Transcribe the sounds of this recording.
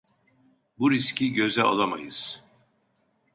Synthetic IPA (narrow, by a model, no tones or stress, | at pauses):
buɾiscʰiɟø̞zɛa̰lˠama̰jɯz̥